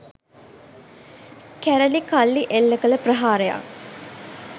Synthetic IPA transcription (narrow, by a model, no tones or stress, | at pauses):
kæɾəlikalːiʔelːəkələpɾəɦaːɾəja̰